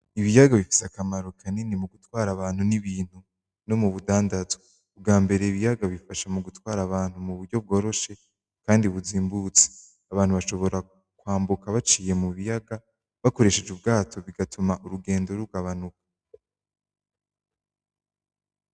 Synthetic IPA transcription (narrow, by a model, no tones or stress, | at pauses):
iβijaɡaβifi̥sakamaɾo̞kʰaninimuɡutwaːɾaβaːn̥huniβiːn̥hu | no̞muβudaːndazwe | bɡaːmbe̞ɾe̞iβijaɡaβifaʃamuɡutwaːɾaβaːn̥humuβuɾɟo̞β̚ɡo̞ːɾo̞ʃe̞ | kaːndiβuziːmbut͡se̥ | aβaːn̥huβaʃo̞βo̞ɾa | kwaːmbukaβat͡ʃiːje̞muβijaɡa | βako̞ɾe̞ʃe̞d͡ʒubɡaːtʰo̞βiɡatʰumaʔuɾuɡe̞ːndoɾuɡaβanukḁ